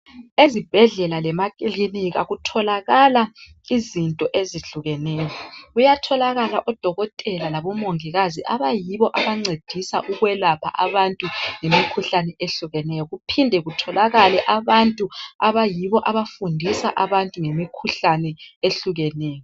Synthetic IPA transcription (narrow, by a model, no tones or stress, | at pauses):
ezib̥ʱɛɮɛlalɛmakʼiliniɣa̰ɣutʰɔlaɣala | izintʼɔʔeziɬuɣɛnɛːjɔɣujatʰɔlaɣalaʔɔd̥ʱɔɣɔtʼɛlalaβɔmoŋiɣaziʔaβajiβɔʔaβaŋ͡ǀed̥ʱisaʔuɣwɛlapʰa̰ʔaβantʼuŋemikʰuɬanɛʔeɬuɣɛnɛjɔɣupʰindʱɛɣutʰɔlaɣalɛʔaβantʼuaβajiβɔʔaβafundʱisa̰ʔaβantʼuŋemikʰuɬanɛeɬuɣɛnɛːjɔ